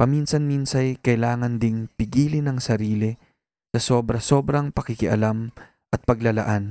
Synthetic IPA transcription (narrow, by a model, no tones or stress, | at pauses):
pɐminsɐnminsɐjkɐjlaːŋɐnd̪ɪŋpɪɡiːlɪnɐŋsɐɾiːlɪ | sɐso̞ːbɾɐso̞ːbɾɐŋpɐkɪkɪʔɐlam | ʔɐt̪̚pɐɡlɐlɐ̰ʔan